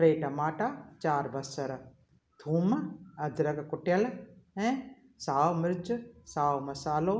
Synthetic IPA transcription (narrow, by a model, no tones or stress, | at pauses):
pɾeːʈɐmaːʈaːt͡ʃaːɾbɐsəɾ | t̪ʰuːmɐd̪ɾɐɡkʊʈjəlɛ̃ː | saːwmɪɾd͡ʒsaːʋmɐsaːloː